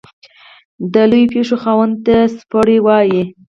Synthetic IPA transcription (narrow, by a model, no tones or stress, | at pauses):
d̪əlujpeʂoxɑwənt̪aspəɽewɑji